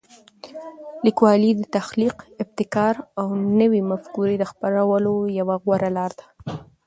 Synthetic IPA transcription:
likwɑlid̪ət̪axliqɪb̚t̪ɪkɑɾawnəwimafkuɾid̪əxpaɾawəlojawaɣwaɾalɑɾd̪̥ḁ

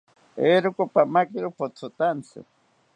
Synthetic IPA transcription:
eɾʊkopamakiɾupot͡sʰʊt̪ant͡sɨ̰

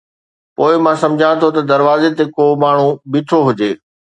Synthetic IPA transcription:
poːɪmãsɐ̃md͡ʑʱãt̪ʰot̪ɐd̪ɐɾʋaːzet̪ekoːmaːɳ̤ubɪʈʰoɦʊd͡ʑeː

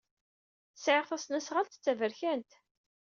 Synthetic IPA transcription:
sʕɪʁθæsnæsʁalt̪ə̥t͡sːævəɾçænt̪

